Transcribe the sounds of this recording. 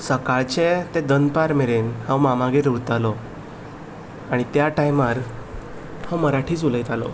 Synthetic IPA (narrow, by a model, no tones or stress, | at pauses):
səkaɭt͡ɕet̪ed̪ənpaɾmeɭenhãwmamaɡiɾuɽt̪alɔ | aɽ̃it̪jaʈajmaɾ | hãwməɾaʈʰiːt͡suləjt̪alɔ̰